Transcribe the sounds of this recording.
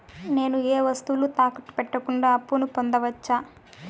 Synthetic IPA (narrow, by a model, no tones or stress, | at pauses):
ne̞ːnueːʋɐst̪ulut̪aːkɐʈːu̥pɛʈːɐkuɳɖaːpːunupond̪ɐʋɐt͡ʃːaː